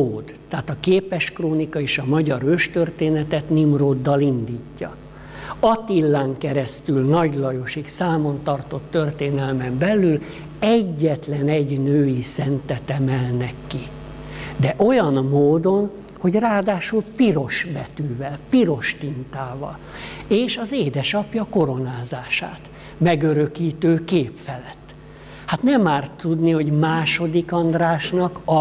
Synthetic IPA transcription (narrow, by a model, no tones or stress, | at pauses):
oːd̪t̪ːaːt̪ɒkeːpɛʃkroːnikɒeːʃɒmɒɟɒɾøʃt̪ørt̪eːnɛt̪ɛt̪nimroːd̪ːɒlind̪iːcːɒ̰ | ɒt̪ilːaːŋkɛɾɛst̪ylnɒɟlɒjo̞ʃiksaːmo̞nt̪ɒrt̪o̞t̪ːø̞rt̪eːnɛlmɛmbɛlːyl | ɛɟːɛt̪lɛnɛɟnøːjisɛnt̪ɛt̪ɛmɛlnɛkːi | d̪ɛʔojɒnmoːd̪o̞n | ho̞ɟraːd̪aːʃulpiɾo̞ʃbɛt̪yːvɛlpiɾo̞ʃt̪int̪aːvɒ̰l | eːʃɒzeːd̪ɛʃɒpjɒko̞ɾo̞naːzaːʃa̰ːt̪ | mɛɡøɾøkiːt̪øːkeːpfɛlɛt̪ː | hat̪nɛmaːrt̪ːud̪niho̞ɟmaːʃo̞d̪ikɒnd̪raːʃnɒkɒ